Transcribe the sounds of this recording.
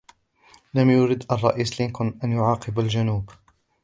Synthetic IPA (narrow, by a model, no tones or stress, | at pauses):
lamjʊɾɪd̪ʔɑrˤːɑʔiːslɪnkʊnʔanjʊʕɑːqɨbald͡ʒanuːb